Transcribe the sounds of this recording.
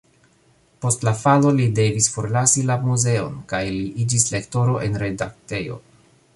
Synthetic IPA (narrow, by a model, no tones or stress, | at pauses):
po̞stlafalo̞lide̞visfo̞ɾlasilamuze̞o̞nkajliʔid͡ʒisle̞kto̞ɾo̞ʔe̞nɾe̞dak̚te̞jo̰